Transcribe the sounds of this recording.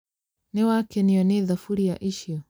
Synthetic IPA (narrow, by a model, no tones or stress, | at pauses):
nɛwakɛniɔneðafuɾijaʔiʃiɔ